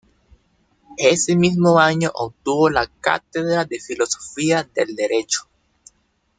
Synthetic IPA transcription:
esemizmoaɲoʔoβt̪uβo̞laka̰t̪eðɾaðe̞filo̞so̥fiaðḛld̪e̞ɾe̞t͡ʃo̥

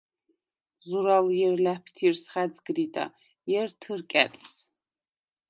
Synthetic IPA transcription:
zuɾaljɛrlapʰtʰirsχad͡zɡɨritʼa̰ | jɛrtʰɨrkʼæ̰tʼs

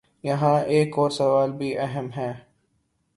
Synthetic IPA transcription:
jɐɦãːeːkɔːɾsɐʋaːlbʱiʔɛɦəmɦɛː

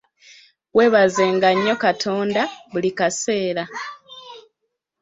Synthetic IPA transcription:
we̞ːβaze̞ːŋɡaɲːo̞katʰo̞ːndaβulikase̞ːɾa

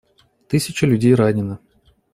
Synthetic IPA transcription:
t̪ɨsʲɐt͡ʃɐlʲʊdʲejɾanʲɪnɐ

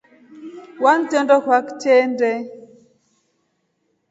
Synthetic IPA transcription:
wantendɔkwakt͡ʃendɛ

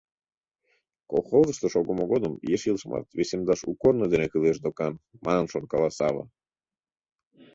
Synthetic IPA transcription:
ko̰lˠxozəʃt̪oʃoɡomoɡod̪əmjeʃilˠʃma̰ɾt̪vesʲemd̪ɑʃukoɾnəd̪enekɨlˠeʃ̬d̪okanmanʃonkalˠɑsɑvə̰

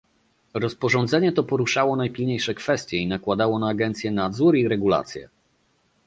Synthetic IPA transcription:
ɾɔspɔʐɔnd̪zɛɲɛt̪ɔpɔɾuʂawɔnajpʲilɲejʂɛkfɛst̪ʲjɛinakwad̪awɔnaːɡɛnt̪sʲjɛnad̪zuɾiɾɛɡula̰t̪sʲjɛ̰

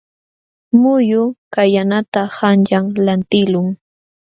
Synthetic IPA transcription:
mʊjʊkajanat̪ahanʎaŋlant̪ɪlʊŋ

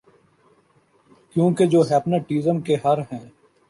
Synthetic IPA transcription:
kjũːked͡ʒoːɦɛːpnəʈiːzəmkeɦɐɾɦɛ̃ː

